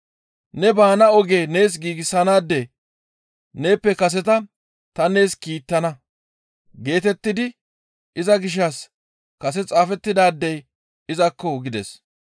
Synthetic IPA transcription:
nɛbaːnɐɔɡe̞ːne̞ːs̬ɡiːɡɪsːɐnaːd̪ːe | ne̞ːpːɛkɐs̬ɛt̪ɐ | t̪ɐne̞ːskiːt̪ːɐnɐ | ɡe̞ːt̪ɛt̪ːɪd̪ɪ | ɪzɐɡɪʃ̬ːɐs | kɐs̬ɛt͡sʼaːfɛt̪ːɪd̪aːd̪ːɛj | ɪzɐkːɔɡɪd̪ɛs

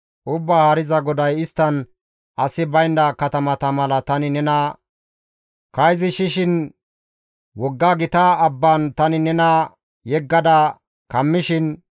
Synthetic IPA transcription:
ʔʊbːahaːɾɪzɐɡɔd̪ɐjɪst̪ːɐn | ʔɐsɪbɐjnd̪ɐkɐt̪ɐmɐt̪ɐmɐlɐt̪ɐnɪnɛnɐ | kɐjzɪʃɪʃɪn | wɔɡːaɡɪt̪ɐːbːant̪ɐnɪnɛnɐ | jɛɡːɐd̪ɐ | kɐmːɪʃɪn

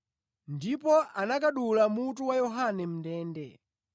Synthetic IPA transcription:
ndipɔʔanakaɗulamutuwajɔɦanɛm̩ndɛːndɛ̰

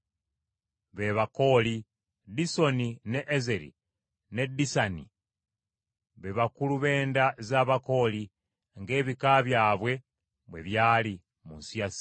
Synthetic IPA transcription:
βeβako̞ːli | diso̞nineʔːzeɾḭ | ne̞disanḭ | βeβakuluβe̞ːndazaːβako̞ːli | ŋɡe̞ːβikaβjaːβwe̞ | βwe̞βjaːli | munsiasi̥

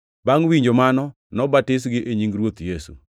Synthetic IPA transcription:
baŋwiɲd͡ʒomanɔ | nɔbatɪs̬ɡɪʔeɲiŋɡɾwot̪jesṵ

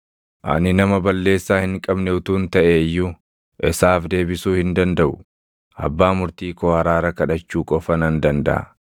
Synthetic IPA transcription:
ʔɐ̰nɪnɐmɐbɐlːe̞ːsːaːhɪŋkʼɐbnɛʊt̪uːnt̪ɐʔeːjːʊ | ʔɛsaːfd̪e̞ːbɪsuːhɪnd̪ɐnd̪ɐʔʊ | ʔɐ̰bːaːmʊɾt̪iːkoːhɐɾaːɾɐkɐᶑɐt͡ʃːuːkʼɔfɐnɐnd̪ɐnd̪ɐ̰ʔɐ̰

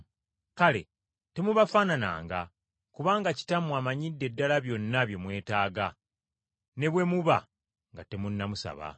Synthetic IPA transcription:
kale̞̰ | te̞muβafanana̰ːŋɡa | kuβaːŋɡaci̥tamwaːmaɲidːe̞dːalaβjo̞nːaβjo̞mwe̞ːtaːɡa | ne̞βwe̞muβa̰ | ŋɡate̞munːamusa̰βa̰

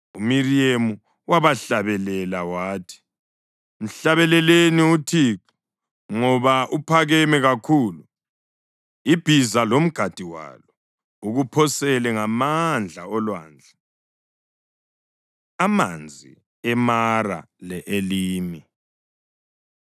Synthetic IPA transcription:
umiriemu | waβaɬaβɛlɛlawaːtʰi̥ | m̩ɬaβɛlɛleniutʰik | ŋɔβaʔupʰaɣɛmɛɣakʰuːlu | ib̥ʱizalom̩ɡ̥ʱad̥ʱiwa̰lɔ | uɣupʰɔsɛlɛŋamand͡ɮʱa̰ɔlwa̰ːnd͡ɮʱɛ | ama̰nd͡zʱḭ | ɛmara̰ | lɛʔeliːmi

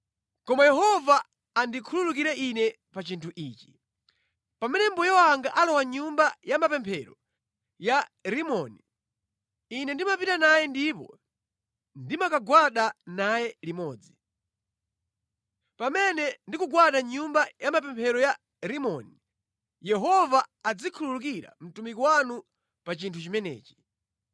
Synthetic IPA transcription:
kɔmajɛhɔvaː | ndikʰululuk̬iɾɛʔinɛ | pat͡ʃintʰuʔiːt͡ʃi̥ | pamɛnɛmbɔjɛwaŋɡaʔalɔwaɲumbajamapɛmpʰɛɾɔ | jaɾimɔni | inɛndimapitanajɛndipɔ̰ | ndimakaɡwaɗanajɛlimɔːd͡zi | pamɛnɛndikuɡwaɗaɲumbajamapɛmpʰɛɾɔja | ɾimɔni | jɛɦɔvaːd͡zikʰululuk̬iɾa̰m̩tumikɔwanu | pat͡ʃintʰut͡ʃimɛnɛ̰ːt͡ʃi̥

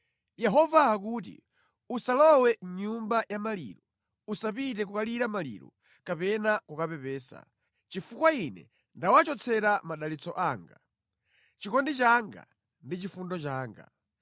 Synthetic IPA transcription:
jɛɦɔvaːk̬uːt̬ḭ | usalɔwɛɲumbajamalḭːɾɔ | usapit̬ɛk̬ukaliɾamalḭɾɔ̰ | kapɛnakukapɛpɛːsa̰ | t͡ʃifukwainɛ̰ | ndawat͡ʃɔt͡sʰɛɾamaɗalit͡sɔʔaːŋɡa̰ | t͡ʃikɔndit͡ʃaŋɡa̰ | ndit͡ʃifundɔt͡ʃaːŋɡa̰

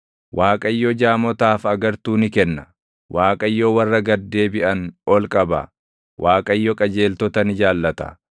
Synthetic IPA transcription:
wʔaːkʼɐɪjːɔd͡ʒaːmɔt̪aːfɐɡɐɾt̪uːnɪkɛnːɐ̥ | wʔaːkʼɐjːoːwɐrːɐɡɐd̪ːe̞ːbɪʔɐnɔlkʼɐbɐ̰ | wʔaːkʼɐɪjːɔkʼɐd͡ʒe̞ːlt̪ɔt̪ɐnɪd͡ʒaːlːɐt̪ɐ̰

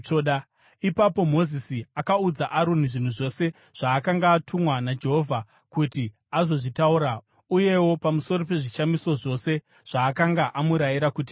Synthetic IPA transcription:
oɗa | ipapo̞mo̞zisiakaud͡zaʔaɾun̤iʐin̤uʐo̞se̞ | ʐ̥aːkaŋɡaːtʰumwanad͡ʒe̞ɦo̞vʱa | kuti | azo̞ʐitauɾa | uje̞wo̞pamuso̞ɾope̞ʐiʃamiso̞ʐo̞se̞ | ʐ̥aːkaŋɡaʔamuɾajiɾakut̬i̥

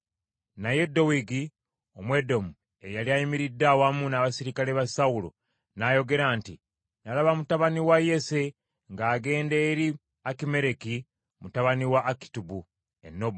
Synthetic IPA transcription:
naje̞do̞wiɡi | omwe̞do̞mu | e̞jaliajimiɾidːawamunaβasiɾikale̞βasawulo̰ | najo̞ɡe̞ɾaːnti | nalaβamutaβaniwajese̞ | ŋɡaːɡe̞ːndeːɾi | akime̞ɾe̞ki | mutaβaniwaːki̥tubu | ḛnːo̞b

